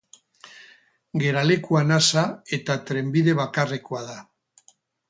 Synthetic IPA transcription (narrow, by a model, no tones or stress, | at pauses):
ɡe̞ɾale̞kuanasae̞t̪at̪ɾe̞mbiðe̞βakareko̞að̞a